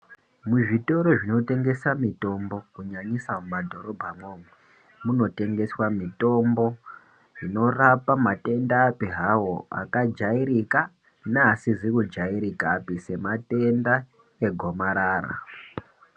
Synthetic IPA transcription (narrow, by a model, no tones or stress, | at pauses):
muʐito̞ɾo̞ʐino̞te̞ŋɡe̞samito̞mbo̞kuɲaɲisamumadʱo̞ɾo̞bʱamwo̞ːmwe | muno̞te̞ŋɡe̞swamito̞mbo̞ | ino̞rapamate̞ndaːpiɦawo̞a̰kad͡ʒaiɾika | naːsizikud͡ʒaiɾikaːpise̞mate̞nda | e̞ɡʱo̞maɾaːra̰